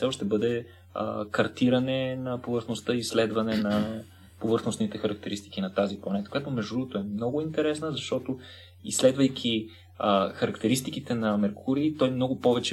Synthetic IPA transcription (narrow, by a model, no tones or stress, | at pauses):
sɛoʃt̪ɛbɤd̪ɛ | ə̰kɐɾt̪iɾənɛnɐpovəɾxnost̪əislɛd̪vɐnɛnɐ | povɤɾxnosnit̪ɛxɐɾɐk̚t̪ɛɾist̪ikinɐt̪aziplˠɐnɛt̪əkojat̪omɛʒd̪d̪ɾuɡot̪oɛmnɔɡʊint̪ɛɾɛsnəzɐʃt̪ɔt̪o | islɛd̪vɐjkʲʰi | xɐɾɐkt̪ɛɾist̪ikit̪ɛnɐmɛɾkʊɾiːt̪ɔjmnɔɡʊpɔvɛt͡ʃɛ